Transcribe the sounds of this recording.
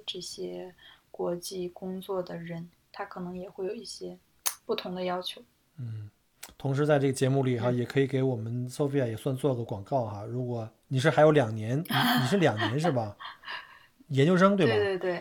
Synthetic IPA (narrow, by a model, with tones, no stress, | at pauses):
ʈ͡ʂɤ˥˩ɕjɛ˥kwɔ˧˥t͡ɕi˥˩kʊ˥ŋt͡swɔ˥˩d̪ə˩ɻə˧˥n | t̪ʰa˥kʰɤ˨˩nɤ˧˥ŋjɛ˨˩xwe˥ɪjo˨˩ʊi˥˩ɕjɛ˥ | pu˥˩t̪ʰʊ˧˥ŋd̪ə˧jɑ˥ʊt͡ɕʰjo˧˥ʊ | n̩˥˩˥ | t̪ʰʊ˧˥ŋʂ̬ɻ̩˧˥t͡sa˥˧ɪʈ͡ʂɤ˥˩ɡə˩t͡ɕjɛ˧˥mu˥˩li˨˩xa˧jɛ˨˩kʰɤ˧˥i˨˩ke˧˥ɪwɔ˨˩mə˦nso˥ʊfe˥ɪa˩jɛ˨˩swa˥˧nt͡swɔ˥˩lə˩kwɑ˨˩ŋkɑ˥˩ʊxa˧˦ɻu˧˥kwɔ˨˩˦ni˨˩ʂ̬ɻ̩˥˩xa˧˥ɪjo˧˥ljɑ˨˩ŋnjɛ˧˥n˨˥ni˨˩ʂɻ̩˥˩ljɑ˨˩ŋnjɛ˧˥nʂ̬ɻ̩˥˩bɐ˩ | jɛ˧˥nt͡ɕjo˥˧ʊʂ̬ɤ˥ŋt̪we˥˩˥t̪we˥˧ɪt̪we˥˩ɪ